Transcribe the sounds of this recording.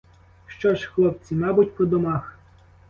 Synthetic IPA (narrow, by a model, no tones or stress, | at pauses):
ʃt͡ʃɔʒxlˠɔp̚t͡sʲimɑbʊtʲpɔd̪ɔmɑx